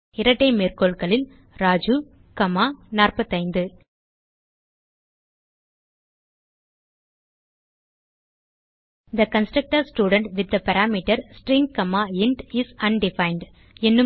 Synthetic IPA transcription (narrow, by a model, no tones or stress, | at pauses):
ɪɾɐʈːɐɪmeːrkoːlkɐɭɪl | ɾaːd͡ʒu | kɐmaːnaːrpɐt̪ːɐɪnd̪ɯ | d̪ɐkɐnsʈɾɐk̚ʈɐɾsʈjuːɽəɳʈʋɪd̪̚ːɐpɐɾaːmiːʈɐɾsʈɾɪ̃ŋkɐmaːɪɳʈɪsɐnɖɪfɐɪɳɖ | ɛnːɯ